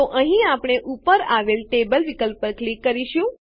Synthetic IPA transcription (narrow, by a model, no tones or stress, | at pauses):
oʔə̃ɦĩapɳ̃eʔupəɾaʋelʈebəlʋikəlpəɾklikːəɾiʃũ